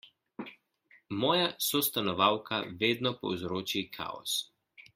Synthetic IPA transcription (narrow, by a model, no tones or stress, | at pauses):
mɔːjasɔst̪anɔʋawkʰaʋeːd̪nɔpɔ̰wzɾoːt͡ʃikʰa̰ːɔ̰s